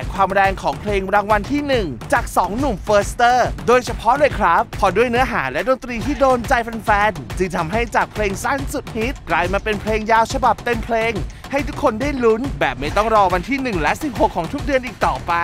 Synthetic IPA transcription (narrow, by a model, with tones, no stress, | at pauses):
kʰwaː˧mɾɛː˧ŋkʰɔː˩˦ŋpʰleː˧ŋɾaː˧ŋwa˧nt̪ʰiː˥˩nɯ˨˩ŋt͡ɕaː˨˩k̚sɔː˩˦ŋnu˨˩mfɤː˦˥st̪ɤː˥˩doː˧jt͡ɕʰa˧pʰɔ˦˥ʔlɤː˧jkʰɾa˦˥pʰːɔ˧du˥˩əjnɯ˦˥ɐɦaː˩˦lɛ˦˥doː˧nt̪ɾiː˧t̪ʰiː˥˩doː˧nt͡ɕa˧jfa˧nfɛː˧nt͡ɕɯ˧ŋt̪ʰa˧mɦa˥˩jt͡ɕaː˨˩k̚pʰleː˧ŋsa˥˩nsu˨˩p̪̚hi˦˥t̪̚klaː˧jmaː˧pe˧npʰleː˧ŋjaː˧wt͡ɕʰa˧ba˨˩p̚t̪e˧mpʰleː˧ŋ | ha˥˩jt̪ʰu˦˥kʰːo˧ndaː˥˩jlu˦˥nbɛː˨˩p̚ma˥˩jt̪ɔ˥˩ŋɾɔː˧wa˧nt̪ʰiː˥˩nɯ˨˩ŋlɛ˦˥ʔsi˨˩p̚ɦho˨˩kʰːɔː˩˦ŋt̪ʰu˦˥k̚dɯ˧ənʔiː˨˩k̚t̪ɔː˨˩pa˧